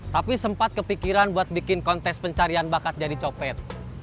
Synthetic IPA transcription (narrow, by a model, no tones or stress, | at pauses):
t̪apisəmpat̪̚kəpikiɾanbuat̪̚bikɪnkɔnt̪ɛkspəɲt͡ʃaɾianbakat̪̚d͡ʒadit͡ʃɔpɛt̪̚